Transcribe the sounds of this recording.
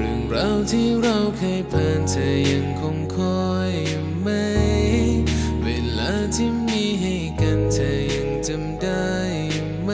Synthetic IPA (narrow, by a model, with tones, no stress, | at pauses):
ɾɯ˨˧˩ŋɾa˧˥wt̪ʰiː˥˩ɾa˧wkʰa˧jpʰaː˧nt͡ɕa˧jːa˧ŋkʰo˧ŋkʰɔː˧ | j | ma˥˩jjj | weː˧laː˧˥˩t̪ʰiː˥˩miː˧ɦa˧˩jka˧nt͡ɕa˧jːa˧ŋt͡ɕɯ˧mdaː˧˩j | m˥